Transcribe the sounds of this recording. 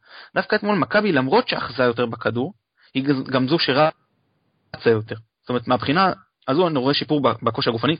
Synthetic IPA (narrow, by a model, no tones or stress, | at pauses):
d̪afkaet̪mo̞lmakabilamʁo̞tʃeaχzajo̞t̬ebekaduʁ | hiɡamzuʃeʁa | t͡sajo̞te̞ʁsotoe̞et̪meabχina | azuaniʁoeʃipuʁbabako̞ʃhaɡufani